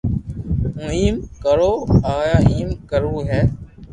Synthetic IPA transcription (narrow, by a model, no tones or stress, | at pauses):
ũːiːmkəɾoːaːjaːiːmkəɾuːɦɛː